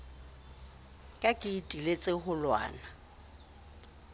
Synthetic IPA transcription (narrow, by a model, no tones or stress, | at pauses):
kʼakʼɪitʼilet͡sʼɪhʊlwa̰ːna